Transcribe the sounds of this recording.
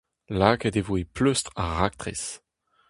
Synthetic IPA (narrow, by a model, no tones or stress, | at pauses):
laːked̪evoepløst̪ʁaʁak̚t̪ʁḛs